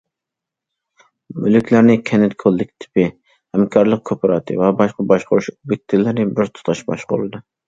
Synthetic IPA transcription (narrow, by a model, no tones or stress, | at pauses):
mylykʲlæɾnɪkʲʰɛnɪt̪kʰolˠːɪkʲʰɪ̥t̪ʰɪ̥pɪ | hɛmkʰɑɾlˠəq̚kʰopʰɾɑt̪ʰɨ̰vɛbɑʃqɑbɑʃqʊɾuʃubɪk̚ʲt̪ʰɪlːɪɾnɪbɪɾt̪ʰʊ̥t̪ʰɑʃbɑ̰ʃqʊ̰lɨd̪ɨ